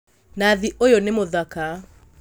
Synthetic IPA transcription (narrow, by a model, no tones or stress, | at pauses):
naðiʔojonemoðaka